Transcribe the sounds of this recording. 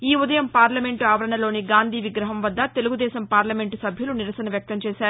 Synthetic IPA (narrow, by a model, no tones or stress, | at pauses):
iːud̪ɐjɐmpaːɾlɐme̞ɳʈuaːʋɐɾɐɳɐlo̞ːniɡaːnd̪ʱiːʋiɡɾɐɦɐmʋɐd̪ːɐt̪e̞luɡud̪ɛːsɐmpaːɾlɐme̞ɳʈusɐbʱjɐluniɾɐsɐnɐʋjɐk̚t̪ɐmt͡ʃɛːsaːɾu